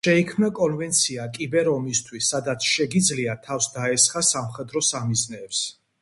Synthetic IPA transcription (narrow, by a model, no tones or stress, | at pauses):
ʃɛikʰmnakʼɔnvɛnt̪sʰiakʼibɛɾɔmist̪ʰwisːad̪at̪sʰʃɛɡid̪zliat̪ʰafsd̪aɛsχasamχɛd̪ɾɔsamiznɛːps